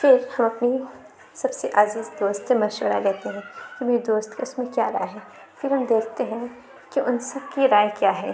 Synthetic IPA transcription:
fɪɾhɐmɐpni | sɐbseʔaːziːzd̪oːst̪semɐʃʋəɾa̰lɛɦt̪eɦɛ̃kimeːɾid̪oːst̪kaʊsmẽkjaːɾa̰ːjɦɛː | fɪɾɦɐmd̪eːkʰt̪eɦɛ̃ | kiʔʊnsɐb̚kiɾaːjkjaːɦɛː

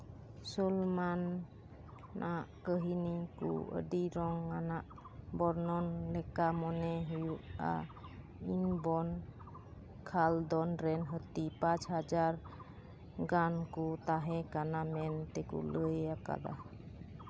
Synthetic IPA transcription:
sulman | ʔaʔkəɦinikṵə̰diɾɔŋːanaʔ | bɔɾnɔnlɛkamɔnɛɦujuʔa̰ | inbɔn | kʰald̪ɔnɾɛnɦət̪ipat͡ʃhad͡ʒaɾ | ɡankut̪aɦɛkanamɛnt̪ɛkṵləjaka̰da̰h

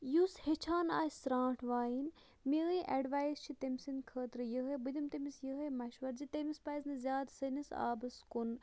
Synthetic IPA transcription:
jushet͡ʃʰaːna̰ːsɾãːʈʰʋaːjin | miːĩʔɐɖʋaːjst͡ʃʰit̪emʲsinkʰəːt̪ɾɨjəɦebɨd̪ɐmt̪ɐmisjəɦemɐʃʋɐɾzit̪emispɐznɨzʲjaːd̪sɐnisa̰ːbɨskun

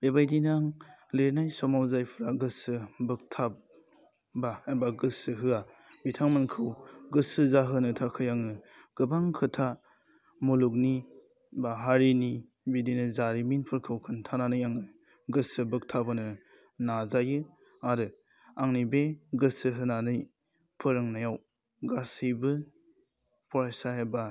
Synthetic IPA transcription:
bebajdinaŋleɾnajsɔmawzajpʰɾaɡɯsɯbɯk̚tʰap̚ | baebaɡɯsɯɦɯa | bitʰaŋmankʰɯwɡɯsɯzaɦɯnɯtʰakʰɯjaŋnɯ | ɡ̥ɯbaŋkʰɯtʰa | muluk̬̚ni | baɦaɾini | bidinɯzaɾiminpʰɯɾkʰɯwkʰɯntʰananɯjaŋnɯ | ɡɯsɯbɯk̚tʰabɯnɯ | nazajɯ | aɾɯ | aŋnibeɡɯsɯɦɯnanɯj | pʰɯɾɯŋnajaw | ɡasibɯ | pʰɔɾasaɦeba

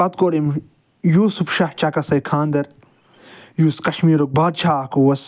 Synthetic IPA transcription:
ɐt̪̚koːɾim | juːsufʃɐht͡ʃɐkɐsɐjkʰaːnd̪ɐɾ | juːskɐʃmiːɾok̚baːd̪̚t͡ʃʰaːkuwɐs

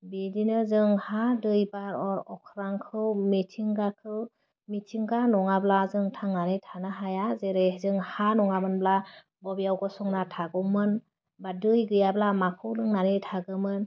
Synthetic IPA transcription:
bidinɯzɯŋhadɯjbaɾɔɾɔkʰɾaŋkʰɯwmitʰiŋɡakʰɯw | mitʰiŋɡanɔŋablazɯŋtʰaŋnanɯtʰanaɦajazeɾezɯŋhanɔŋamɯnbla | bɔbijawɡɔsɔŋnatʰaɡɔmɯn | badɯjɡɯjablamakʰɯwlɯŋnanɯtʰaɡɯmɯn

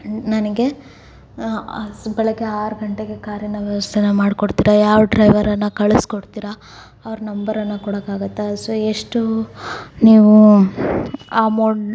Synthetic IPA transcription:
nɐnɐɡe̞ | bɛɭɐɡeaːɾɡɐɳʈeɡe̞kaːɾjɐnɐʋjɐʋɐst̪ʰenɐmaːɖikoɽt̪iːɾɐjaːʋɖɾɐjʋɐɾɐnːɐkɐɭeskoɽt̪iːɾɐː | ʋɐɾɐnɐmbɐɾɐnːɐkuɽɐkaːɡɐt̪ːesoeʂʈu | niːʋu | aːmoː

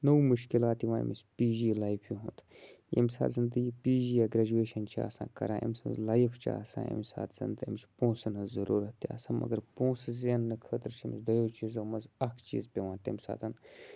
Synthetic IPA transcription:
nowmuʃkilaːt̪iʋã̰ːmispiːd͡ʒiːlajpʰjuɦunt̪ḛmsa̰ːzɨnd̪əɡiːpiːd͡ʒiːjaːɡɾad͡ʒueːʃɐnt͡ʃʰa̰ːsã̰ːkɐ̰ɾã̰ːʔḛmsɐnzlajfʰt͡ʃʰa̰ːsã̰ːḛmsa̰ːt̪z̥ɐ̰nd̪ɐ̰mt͡ʃʰi̥põːsɨnɨnzɐɾuːɾɐt̪ija̰ːsanmʔɐ̰ɡɐɾpõːsɨzɐnːɨkʰəːt̪əɾt͡ʃʰimzd̪ɐjot͡ʃizɐmɐzɐkʰt͡ʃḭːzpʲeʋãːnt̪emsa̰ːt̪ʰɐn

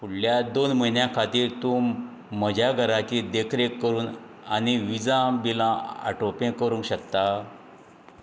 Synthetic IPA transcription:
puɽ̤ljad̪onm̤əjnjãkʰat̪iːɾt̪u | məd͡ʑʱaɡʱəɾat͡ɕid̪ekʰɾekːəɾuːn | añiʋid͡zãbilãa̰ʈopẽkəɾũŋkɕəkt̪a

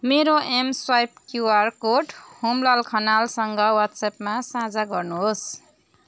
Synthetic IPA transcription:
meɾoʔemswajp̚kjuarkoʈhumlalkʰʌnalsʌŋɡʌwat̪sapmasãd͡zaɡʌrnuɦos

